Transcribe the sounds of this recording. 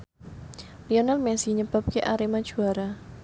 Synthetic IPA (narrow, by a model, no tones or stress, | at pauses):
lionalmɛsiɲəbap̚keʔaɾemad̥ʒ̥ṳaɾa